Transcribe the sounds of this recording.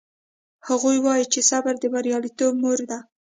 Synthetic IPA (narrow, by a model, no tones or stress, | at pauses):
haɣujwɑjit͡ʃesabaɾd̪əbaɾjɑlit̪ob̚moɾd̪a